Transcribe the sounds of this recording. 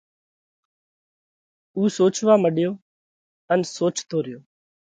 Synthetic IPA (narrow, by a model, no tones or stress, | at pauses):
uːsoːt͡ʃʋaːməɗɪjoː | ənsoːt͡ʃt̪ʰoːɾɪjoː